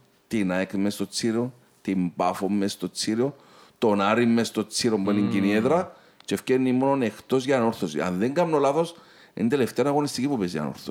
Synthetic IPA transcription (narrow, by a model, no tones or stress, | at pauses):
t̪inɐekmːest̪o̞t͡sːiɾio | t̪imbɐfomːest̪o̞t͡sːiɾio | t̪onɐɾimːest̪o̞t͡sːiɾo̞mbeniɲɟinieðɾɐ | t͡ʃefcenːimononext̪o̞zʝɐnoɾθosḭɐ̰nðeŋɡɐmnolaθo̞s | int̪eleft̪eonɐɣo̞nist̪icipupezjɐ̰no̰ɾθos